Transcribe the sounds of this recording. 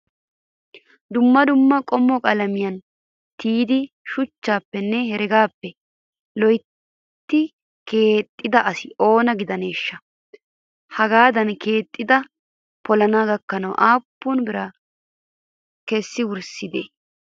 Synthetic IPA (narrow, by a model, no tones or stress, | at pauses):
d̪ʊmːɐd̪ʊmːɐkʼɔmːɔkʼɐlɐmɪjɐn | t̪iːd̪ɪ | ʃʊt͡ʃːaːpːɛnːɛhɛɾɛɡaːpːɛ | lɔj | t̪ːɪ | ke̞ːt̪ʼːɪd̪ɐʔɐsɪʔo̞ːnɐɡɪd̪ɐneːʃːɐ | hɐɡaːd̪ɐnke̞ːt̪ʼːɪd̪ɐ | pʰɔlɐnaːɡɐkːɐnɐwʔaːpːʊnbɪɾɐ | kɛsːɪwʊɾsɪd̪eː